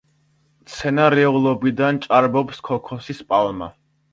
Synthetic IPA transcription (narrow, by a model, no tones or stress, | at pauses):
t̪sʰɛnaɾɛulˠɔbid̪ant͡ʃʼaɾbɔpskʰɔkʰɔsispʼalˠma̰